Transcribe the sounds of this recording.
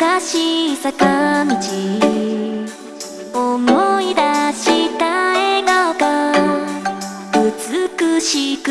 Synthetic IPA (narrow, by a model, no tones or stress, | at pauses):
kaɕisakand͡ʑi | omoid̪aɕit̪aenoɡa | ɯt͡sɨkɯɕik